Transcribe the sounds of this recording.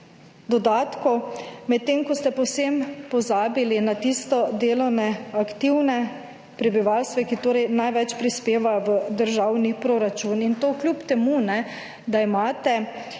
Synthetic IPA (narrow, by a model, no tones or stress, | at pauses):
d̪ɔd̪aːt̪kɔmɛt̪ːemkɔst̪ɛpɔwsempɔzaːbilinat̪ist̪ɔd̪eːlɔwnɛakt̪iwnɛ | pɾɛbiʋalst̪ʋɛkit̪oːɾɛjnajʋɛt͡ʃpɾispeːʋaʋəd̪əɾʒaːwnipɾoɾat͡ʃuːnint̪oːklʲjupt̪ɛmunɛ | d̪aimaːt̪ɛ